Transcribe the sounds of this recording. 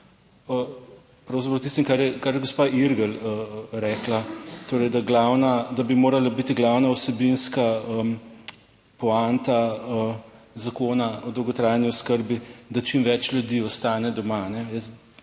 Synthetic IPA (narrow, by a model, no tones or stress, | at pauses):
ə | pɾawzapɾɐwt̪ist̪imkaɾjɛkaɾjɛɡospaʔiɾɡələɾɛːklat̪oːɾɛjd̪aɡlawnad̪abimoːɾalabit̪iɡlawnausɛbinskaəm | pɔant̪aə | zakoːnaɔd̪wɡɔt̪ɾaːjanjiɔskəɾbid̪at͡ʃimʋɛt͡ʃlʲjud̪iɔst̪aːnɛd̪ɔmanɛjəs